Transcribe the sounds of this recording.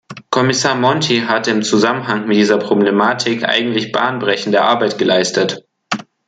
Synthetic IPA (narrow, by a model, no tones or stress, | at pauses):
kʰɔmɪsaːɐmɔntʰiɦatəɪmt͡suzamənɦaŋmɪt̚d̥iːzɐpʁ̥oblemaːtʰɪkʔa̰ɪɡŋ̩tlɪçb̥a̰ːnbʁɛçn̩dəɐʔaɐbaɪtɡ̥əlaɪstət